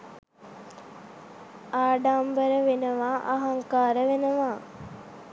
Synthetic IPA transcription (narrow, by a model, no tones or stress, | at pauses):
aːɖambəɾəʋenəʋaːʔaɦaŋkaːɾəʋenəʋaː